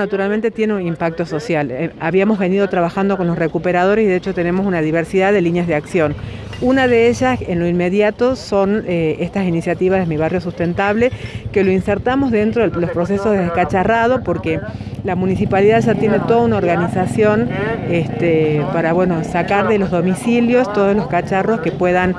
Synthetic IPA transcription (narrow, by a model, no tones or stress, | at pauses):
nat̪uɾalment̪e̞t̪je̞neunimpak̚t̪o̞so̞sjalaβiamo̞zβe̞niðo̞t̪ɾaβaxand̪o̞ko̞nlosre̞kupe̞ɾað̞o̞ɾesiðeet͡ʃo̞t̪e̞ne̞mosunaðiβeɾsiðaðe̞liɲjazðeaksjo̞n | unaðeeʒasenlo̞inme̞ðjat̪o̞so̞neest̪asinisjat̪iβazðemiβ̞arjo̞sust̪e̞nt̪aβle̞kelo̞inseɾt̪amo̞zðe̞nt̪ɾo̞ðelospɾo̞se̞sozðeðeskat͡ʃarað̞o̞po̞ɾke | lamũnisipaliðaðʒat̪jene̞t̪o̞ðaunaoɾɣanisasjo̞nest̪epaɾaβwe̞no̞sakaɾðe̞lo̞zðo̞misiljo̞st̪oð̞oslo̞skat͡ʃaro̞skepwe̞ðan